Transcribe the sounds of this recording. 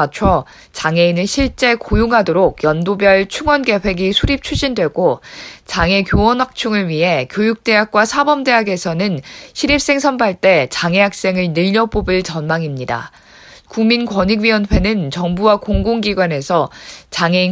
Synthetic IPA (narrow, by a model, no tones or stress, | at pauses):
at͡ɕʰʌ | t͡ɕaŋe̞inɯɭɕʰiɭt͡ɕ͈e̞kojuŋɦadoɾoɡ̚jʌndobjʌɭt͡ɕʰuŋwʌnɡe̞ɸwe̞ɡisʰuɾip̚t͡ɕʰud͡ʑindwe̞ɡot͡ɕaŋe̞kjowʌnwak̚t͡ɕʰuŋɯɭɥiɦe̞kjojuk̚t͈e̞ɦak̚k͈wasʰabʌmde̞ɦaɡe̞sʰʌnɯnɕʰiɾip̚s͈eŋsʰʌnpʰaɭt͈e̞t͡ɕaŋe̞ɦak̚s͈e̞ŋɯɭnɯʎːʌp͈obɯɭt͡ɕʌnmaŋimɲida̰ | kuŋminkwʌɲiɡɥiwʌnɸe̞nɯnt͡ɕʌŋbuwakoŋɡoŋɡiɡwane̞sʰʌt͡ɕaŋe̞i